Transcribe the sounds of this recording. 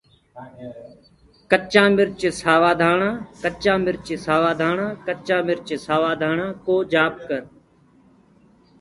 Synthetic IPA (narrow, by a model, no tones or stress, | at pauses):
kət͡ʃãːmɪɾt͡ʃɪsaːʋaːd̪ʱaːɳãːkət͡ʃãːmɪɾt͡ʃɪsaːʋaːd̪ʱaːɳãːkət͡ʃãːmɪɾt͡ʃɪsaːʋaːd̪ʱaːɳãːkoːd͡ʒaːp̚kəɾ